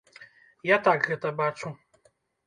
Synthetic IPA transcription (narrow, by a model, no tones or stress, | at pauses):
jat̪aɡɣɛt̪ɐbat͡ʂu